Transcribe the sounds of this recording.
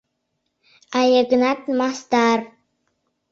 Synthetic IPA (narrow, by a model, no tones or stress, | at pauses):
ʔajəɡnat̪̚mast̪ar